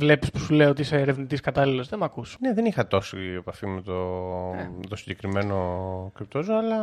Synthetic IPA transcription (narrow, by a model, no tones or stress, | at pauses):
vle̞pi̥spu̥sule̞ioot̪iiseːɾe̞vnit̪iskɐt̪ɐlilo̞zðe̞mɐkusneðenixɐt̪o̞siepɐfimet̪o | t̪osiɲɟekɾime̞nokɾip̚t̪ozoɐlɐ